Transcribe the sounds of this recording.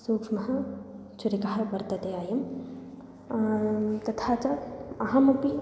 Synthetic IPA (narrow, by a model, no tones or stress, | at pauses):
soːkʂmɐɦɐ̆ | t͡ʃʰuɾikɐɦɐbɐɾt̪ɐt̪eaːjɐm | t̪ɐt̪ʰaːt̪ɐɐɦɐmɐpi